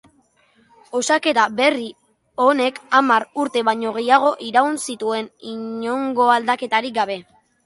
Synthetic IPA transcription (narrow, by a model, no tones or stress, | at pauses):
o̞sake̞t̪aβe̞ri | o̞ne̞kamaɾuɾt̪e̞βaɲo̞ɣe̞jaɣ̞o̞ʔiɾaunsit̪ue̞niɲo̞ŋɡo̞ald̪ake̞t̪aɾiɡaβ̞e̞